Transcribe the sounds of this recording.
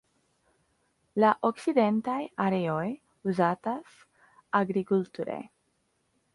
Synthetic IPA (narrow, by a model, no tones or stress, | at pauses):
laʔoksid̪ent̪ajaɾeoj | uzat̪as | aɡɾikult̪uɾḛj